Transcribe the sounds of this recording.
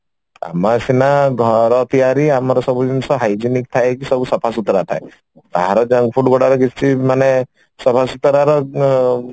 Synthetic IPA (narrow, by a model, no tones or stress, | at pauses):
a̰masinaɡʱɔɾɔt̪ijaɾiamaɾɔsɔbud͡ʒinsɔɦajd͡ʒinik̚t̪ʰaekisɔbusɔpʰasut̪ɔɾat̪ʰa̰e | t̪a̰ɦɾɔd͡ʒaŋɡpʰuʈɡɔɽaɾɔkisʰt͡ʃʰimane | sɔpʰasut̪ɔɾaɾɔ